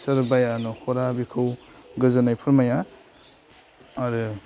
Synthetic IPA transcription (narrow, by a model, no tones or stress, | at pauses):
sɯɾbajanɔhʰɔɾabikʰɯw | ɡɯzanajpʰɯɾmaja | ɾɯ